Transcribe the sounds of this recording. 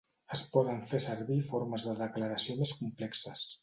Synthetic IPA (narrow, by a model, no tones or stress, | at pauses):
əspɔðəɱfesəɾβifoɾməzðəðəkləɾəsiomeskumplɛksəs